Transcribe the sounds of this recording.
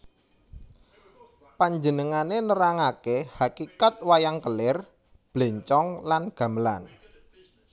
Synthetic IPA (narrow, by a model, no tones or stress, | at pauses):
paɲd͡ʒənəŋanenəɾaŋakehakikat̪̚wajaŋkəlɪr | b̥le̤ɲt͡ʃɔŋlanɡ̥ä̤məlan